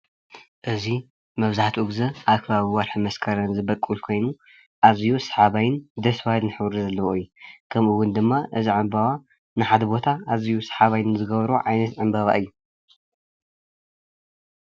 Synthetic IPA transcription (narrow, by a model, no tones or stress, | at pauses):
ʔɨzi | mɐβzaħt̪ʰiʔuɡzɐʔaβkʰɐβaβiwɐɾħɨmɐskʰɐɾɐnzɨbɐkʼːulkʰo̞jnu | ʔazijusħaβajnd̪ɐswahɨlnɨħɨβɾzɐlːɐwoɨjːukʰɐmʔɨwʊnd̪ɨmːaʔɨziʕɨmbaβa | nɨħad̪ɐbo̞t̪ʰaazijusħaβajnɨzɨɡɐβɐɾuʕajnɐt̪ʕɨmbaβa̰ʔɨjːu